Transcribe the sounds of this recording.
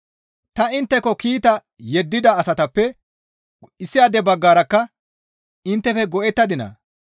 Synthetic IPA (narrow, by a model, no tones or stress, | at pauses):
t̪ɐɪnt̪ːɛkːɔkiːt̪ɐ | jɛd̪ːɪd̪ɐːsɐt̪ɐpːɛ | ɪsːɪjad̪ɛbɐɡːaːɾɐkːɐ | ɪnt̪ːɛfɛɡɔʔɛt̪ːɐd̪ɪnɐ̰